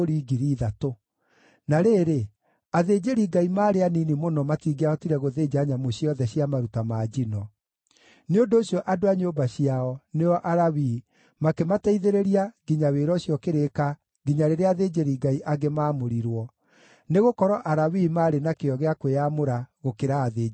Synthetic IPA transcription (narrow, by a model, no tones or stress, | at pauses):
oɾiːɡiɾiːðato | naɾeːɾe | aðeːd͡ʑeɾiɡaimaːɾeaninimonɔmatiːɡeaɔtiɾɛɣoðeːd͡ʑaːɲamoɕiɔðɛɕjamaɾutamaːd͡ʑinɔ | neondoːɕijɔʔadoaɲoːbaɕiaɔneɔʔaɾawi | makemataiðeɾeɾiaɣiɲaweɾɔɕjɔkeɾeka | ɡiɲaɾeɾeaðed͡ʑeɾiɡaiʔaɡemaːmoɾiɾwɔ | neɣokɔɾɔʔaɾawimaːɾenakeɔɣeakweamoɾaɣokeɾaːðeː